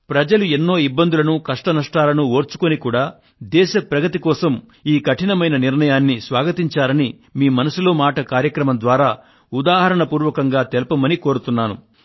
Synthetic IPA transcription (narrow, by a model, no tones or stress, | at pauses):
pɾɐd͡ʒɐluenːo̞ːibːɐnd̪ulɐnukɐʂʈɐnɐʂʈaːlɐnuo̞ːɾt͡ʃu̥konikuːɽaː | d̪ɛːʃɐpɾɐɡɐt̪ikɔːsɐm | iːkɐʈinɐmɐjnɐniɾɳɐjaːnːisʋaːɡɐt̪iɲt͡ʃaːɾɐni | miːmɐnɐsulo̞ːmaːʈɐkaːɾjɐkɾɐmɐmnd̪ʋaːɾaː | ud̪aːɦɐɾɐɳɐpuːɾʋɐkɐŋɡaːt̪elɐpɐmɐniko̞ːɾut̪unːaːnṵ